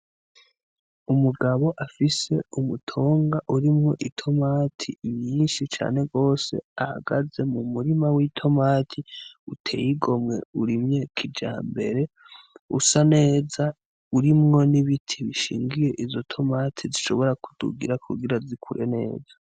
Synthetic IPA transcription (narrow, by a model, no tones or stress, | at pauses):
umuɡaβoʔafise̞umutʰo̞ːŋɡaʔuɾimŋo̞ʔitʰo̞maːtʰimiːnʃit͡ʃa̰ːne̞ɡo̞ːse̞̰aha̰ɡaze̞mumuɾimawitʰo̞maːtʰiutʰe̞̰ːjiɡo̞mŋe̞̰uɾimɲekʰid͡ʒa̰ːmbe̞̰ɾe̞ | ṵsane̞ːza | uɾimŋo̞niβitʰiβiʃḭːŋɡije̞ʔizo̞tʰo̞maːtʰiziʃo̞βo̞ɾaku̥d̥ṵɡiɾakʰṵɡiɾazikʰuɾʔe̞̰ne̞̰ːzḁ